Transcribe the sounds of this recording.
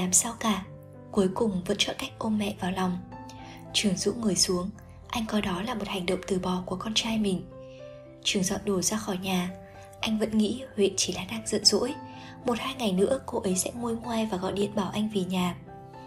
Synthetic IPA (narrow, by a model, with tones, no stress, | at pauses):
aː˨˩msa˧wkaː˧˩ | ku˨˦jkʊ˨˩ŋ͡mvə̰˧˥nt͡ɕɔ̰˧˨ka˦˥jk̟̚ʔo˧nmɛ̰˧˨vaː˨˩wlɔ˨˩wŋ͡m | t͡ɕɨ˨˩əŋzṵ˧˥ŋɨ˨˩əjsu˨˦əŋ | ʔa˧jŋ̟kɔ˧jɗɔ˨˦laː˨˩mo˨˩t̚ha˨˩jŋ̟ɗə̰˧˨wŋ͡mt̪ɨ˨˩ɓɔ˨˩ku˧˩əkɔ˧nt͡ɕaː˧jmï˨˩ŋ̟ | t͡ɕɨ˨˩əŋzɔ̰˧˨nɗo˧˩zaː˧xɔ˧˩jɲaː˨˩ | ʔa˧jŋ̟və̰˧˥nŋḭ˧˥hwḛ˧˨nt͡ɕi˧˩laː˨˩ɗaː˨˩k̚z̥ə̰˧˨nzo̰˧˥j | mo˨˩t̚haː˧jŋa˨˩jnɨ̰˧˥əko˧ʔə˨˦jsɛ̰˧˥ŋu˧əjŋwa˧jvaː˨˩ɣɔ̰˧˨ɗḭ˧˨ənɓaː˧˩wʔa˧jŋ̟vi˨˩ɲaː˨˩